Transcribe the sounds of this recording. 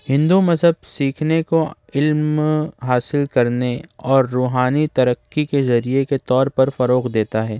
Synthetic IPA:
hɪ̃nd̪umɐzɦəb̚siːkʰneko | ɪlmɦaːsɪlkɐɾneɔːɾːuːɦaːnit̪ɐɾəkːikezɐɾieket̪ɔːɾpɐɾfɐɾoːqd̪eːt̪aɦɛː

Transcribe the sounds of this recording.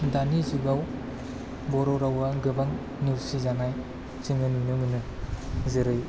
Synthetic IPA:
danizuɡaw | bɔɾɔɾawaɡɯbaŋ | nuɾsizaŋaj | t͡ʃɯŋɯnunɯmɯnɯ | zɯɾɯj

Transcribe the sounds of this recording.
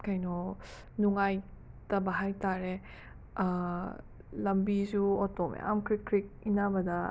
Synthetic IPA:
kajnɔ | nuŋajtɐbɐɦajtaɾe | lɐmbizuɔtɔmḛa̰mkʰɾikʰːɾik̚inabɐdɐ

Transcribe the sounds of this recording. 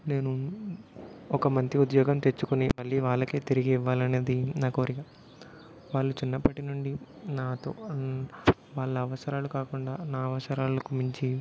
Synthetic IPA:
ne̞ːnu | ɔkɐmɐnt̪ɾiud̪jɔːɡɐmt̪e̞ɾt͡ʃːukunimɐɭːiːʋaːɭːɐke̞ːt̪iɾiɡiʋːaːlɐne̞ːd̪inaːkoːɾiɡa | ʋaːɭːut͡ʃinːɐpːɐʈinuɳɖi | naːt̪o̰ː | ʋaːɭːɐːʋɐsɐɾaːlukaːkuɳɖaːnaːɐʋɐsɐɾaːlɐkumuɲt͡ʃi

